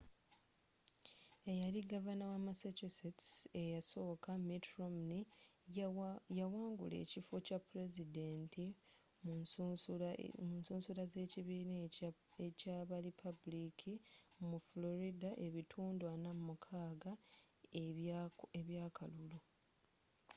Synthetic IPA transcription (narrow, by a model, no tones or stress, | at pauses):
e̞jaɾiɡavanawamasat͡ʃusitse̞jaso̞ːkamitɾomni | jawaːŋɡṵle̞̰ːcifocapːuɾe̞zide̞ːntʰi | m | munsuːnsulaze̞ːciβiːnecaːβalipʰabulikʰimuflo̞ɾidaʔe̞βitʰuːndwanammukʰaːɡa | eβjaːkʰalulu